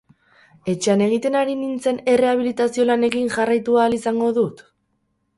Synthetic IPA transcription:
e̞t͡ʃe̞ane̞ɣ̞it̪e̞naɾinint͡se̞ne̞re̞aβ̞ilit̪asio̞lane̞kiŋʝarajt̪uaːlisaŋɡo̞ðut̪

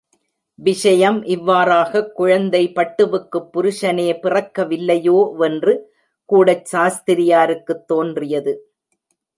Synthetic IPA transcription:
ʋɪʂɐjɐmʔɪʋːaːɾaːɣɐkːʊɻɐnd̪ɐɪpɐʈːɯʋɯkːɯpːʊɾʊʂɐneːpɪrɐkːɐʋɪlːɐjoːʔɛndrɯ | kuːɽɐt͡ʃsaːst̪ɪɾɪjaːɾɯkːɯt̪ːoːndrɪjɐðɯ

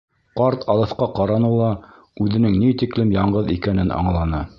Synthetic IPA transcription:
qɑɾt̪ʰɑlˠɤ̆θqɑqɑɾɑnɤlˠɑ | ʉðɘ̆nɘŋnit̪iklɘmjɑɴɢɤðikænɘnɑ̰ɴlˠɑnɤ

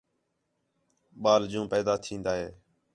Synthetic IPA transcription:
ɓaːld͡ʒũːpɛːd̪aːt̪ʰĩːnd̪aːɦeː

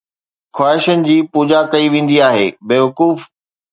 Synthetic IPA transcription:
xwaːɦɪʃənɪ̆d͡ʑiːpuːd͡ʑakɐiʋẽːn̆d̪iaːɦḛːbeːʋɐkuːf

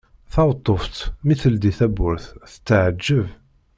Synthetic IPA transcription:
θɑwt̪ˤːoft̪miθəld̪iθæbʊɾθθə̥t͡sːəʕəd͡ʒːəv

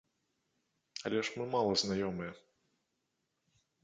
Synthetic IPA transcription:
ɐ̰lʲɛʂmɨmalˠɐznajɔmɨjɛ

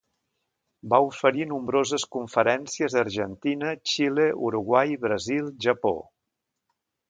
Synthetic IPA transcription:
baufəɾinumbɾozəskuɱfəɾɛnsiəzəɾʒənt̪inət͡ʃileʔuɾuɣwajβɾəzilˠʒəpo̰

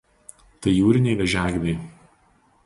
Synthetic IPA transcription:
t̪ɐɪjuːɾʲɪnʲɛɪʋʲɛʒʲæːɡʲd̪ʲɐɪ

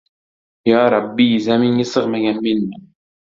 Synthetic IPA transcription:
jɑːɾˤɑbːizamɪŋɪsɨʁmaɡʲanmɪnmɪ

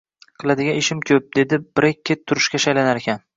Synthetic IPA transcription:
qʰɨlˠad̪ɪɡʲaneʃɪmkʲʰɵp̚d̪e̞d̪ɪbɪɾek̚ʲʰːet̪ʰːʊɾɪʃkʲaʃajlanaɾekʲʰan

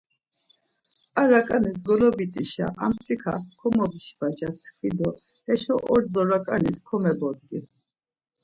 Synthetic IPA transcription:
aɾakʼanis̬ɡɔlɔbit̪ʼiʃa̰ʔa̰mt̪t͡s̪ʼikʰa̰χkʰɔmɔbiʃvad͡ʒat̪ʰχid̪ɔ | hɛʃɔʔɔɾd͡zɔɾakʼaniskʰɔmɛbɔd̪ɡi

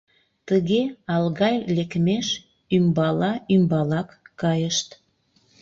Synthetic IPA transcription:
t̪əɣeɑlɣɑjlekmeʃ | ymbɑlɑymbɑlɑkːɑjəʃt̪

